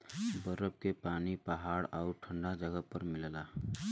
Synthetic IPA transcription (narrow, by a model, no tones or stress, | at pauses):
bəɾəb̚kepaːnipəɦaːɽɔːɾʈʰə̃ɳɖad͡ʒəɡəpəɾmɪllaː